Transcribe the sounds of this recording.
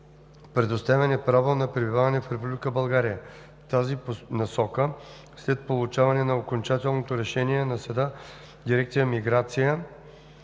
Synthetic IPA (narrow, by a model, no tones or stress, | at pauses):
pɾɛd̪ost̪avɛnɛpɾavonɐpɾɛbivavɐnɛfɾɛpublʲikəbɐlˠɡaɾijə | t̪azipnɐsɔkə | slɛt̪̚polˠʊt͡ʃavɐnɛnɐokont͡ʃat̪ɛlˠnot̪oɾɛʃɛniɛnɐsɐd̪a | d̪iɾɛkt̪sijəmiɡɾat̪sijə